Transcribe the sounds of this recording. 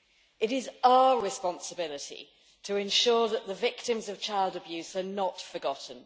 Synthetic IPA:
ɪɾɪzaʊəɹɪspɒ̃nsəbɪlɪtʰḭ | tʰəɪ̃nʃɔːðəʔðəvɪk̚tɪ̃mzəv̥t͡ʃʰaɪlˠdəbjʉːz̥hənətfəɡɒʔn̩

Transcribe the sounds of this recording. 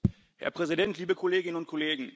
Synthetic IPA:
hɛ̰ɐpʁ̥ɛzidɛntʰliːbəkʰoleːɡɪnənʊnt̚kʰoleːɡŋ̩

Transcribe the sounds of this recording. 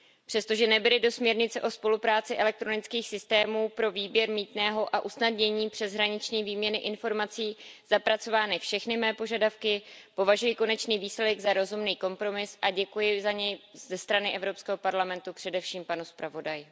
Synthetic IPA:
pr̝̥ɛst̪o̞ʒɛnɛbɪlɪdo̞smɲɛɾɲɪt͡sɛʔo̞spo̞lupɾaːt͡sɪʔɛlɛk̚t̪ɾo̞nɪt͡skiːxsɪst̪ɛːmuːpɾo̞viːbjɛɾmiːt̪nɛːɦo̞ʔaʔusnadɲɛɲiːpr̝̥ɛzɦɾaɲɪt͡ʃɲiːviːmɲɛnɪʔɪnfo̞ɾmat͡siːz̥apɾat͡so̞vaːnɪfʃɛxnɪmɛːpo̞ʒadafkɪpo̞vaʒujɪko̞nɛt͡ʃniːviːslɛdɛɡzaɾo̞zumniːko̞mpɾo̞mɪsʔaɟɛkujɪzaɲɛjzɛst̪ɾanɪʔɛvɾo̞pskɛːɦo̞paɾlamɛnt̪upr̝̥ɛdɛfʃiːmpanuspɾavo̞dajɪ

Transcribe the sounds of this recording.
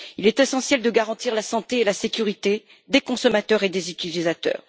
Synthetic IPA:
ilɛt̪esɑ̃sjɛld̪əɡaʁɑ̃t̪iʁlasɑ̃t̪eːlasekʲyʁit̪e | d̪ekɔ̃sɔmat̪œʁed̪ezyt̪ilizat̪œ̰ːʁ

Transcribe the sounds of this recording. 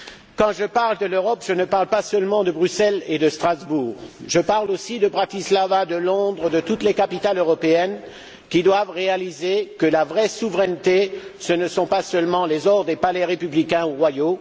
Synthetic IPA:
kɑ̃ʒəpaʁld̪əløʁɔpʒ̥ənəpaʁlpasœlmɑ̃d̪əbʁysɛled̪əst̪χazbuːʁʒəpaʁlosid̪əbʁat̪islavad̪əlɔ̃d̪ʁəd̪ət̪ut̪lekapit̪aløʁɔpeɛn | kʲid̪wavʁealizekəlavʁɛsuvʁɛnt̪esənəsɔ̃pasœlmɑ̃lezɔʁd̪epalɛʁepyblikʲɛ̃uʁwajo

